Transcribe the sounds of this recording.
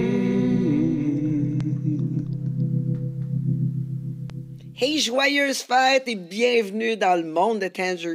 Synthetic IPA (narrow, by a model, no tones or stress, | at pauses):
heʒwajə˞z̥faɪt̪ebjɛ̃vnyd̪ɑ̃ləmɔ̃d̪ːət̪ʰæ̃nzə